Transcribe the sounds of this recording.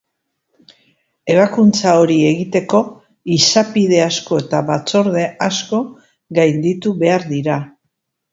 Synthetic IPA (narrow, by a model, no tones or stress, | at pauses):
e̞β̞akunt͡sao̞ɾie̞ɣit̪e̞ko̞ | isapiðe̞asko̞e̞t̪aβat͡so̞ɾð̞e̞asko̞ | ɣajnd̪it̪uβe̞aɾðiɾa